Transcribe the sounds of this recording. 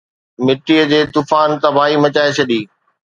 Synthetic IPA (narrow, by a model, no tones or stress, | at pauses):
mɪʈːiːəd͡ʑeːt̪ufaːnt̪ɐbaːɦimɐt͡ɕaːet͡ɕʰɐɗiː